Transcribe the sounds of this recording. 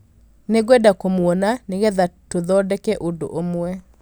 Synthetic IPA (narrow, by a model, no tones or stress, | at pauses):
neɣwɛdakomwɔnaneɣɛðatoðɔdɛkɛʔondo̰ʔomwɛ